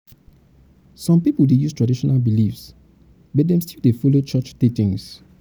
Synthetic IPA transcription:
sɔ̃mpipuldejustɹ̥adiʃɔnalbilifs | bɔt̚dɛ̃mstilˠdefɔlot͡ʃɔt͡ʃtitĩŋs

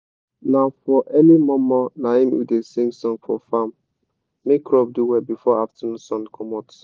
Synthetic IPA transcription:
nafɔʔɛnimɔ̃mɔnahĩmwḭdesĩŋsɔ̃ŋfɔ̰famː | ekɾɔb̚duwɛbifɔaftənusɔ̃nkʰɔmɔt

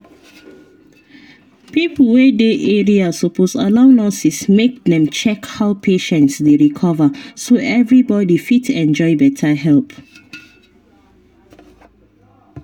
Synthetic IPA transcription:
pipl̩ˠwedeʔeɹiasopʰosa̰laʊnɔsismek̚ðɛ̃mt͡ʃɛkhaʊpʰeʃɛ̃ntsdeɹikʰɔvəsoʔɛvɹibɔdifitɛ̃nd͡ʒɔɪbɛtʰaɦɛlp

